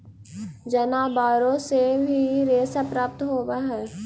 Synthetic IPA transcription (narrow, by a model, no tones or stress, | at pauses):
d͡ʒɐnaːbaːɾõsebʱiɾeːsapɾaːp̚t̪ɦoːbaɦɛː